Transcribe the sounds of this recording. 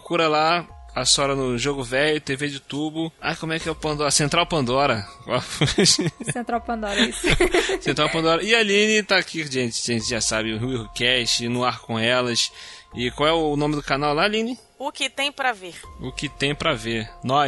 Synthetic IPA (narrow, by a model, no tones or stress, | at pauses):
pɾkuɾɐlaasɔɾɐnʊʒoɡʊvɛjʊt̪eved͡ʒut̪ubʊa̰jkõmʊɛkɪɛʊpɐ̃nd̪ɔɾɐsẽnt̪ɾawpɐ̃nd̪ɔɾɐkafuʃsẽnt̪ɾawpɐ̃d̪ɔɾɐiseẽnt̪ɾawpɐ̃nd̪ɔɾɐɪalĩnɪt̪aːkʰiʒẽt͡ʃɪ̥ʒẽnt͡ʃɪʒasabɪ̃ɦukɛʃt͡ʃɪnʊaɾkõɛlɐsɪkwawɛʊnõmɪd̪ʊkanawlalĩnɪ | ʊkɪt̪ẽj̃pɾɐveɾʊkɪt̪ẽj̃pɾɐveɾnɔ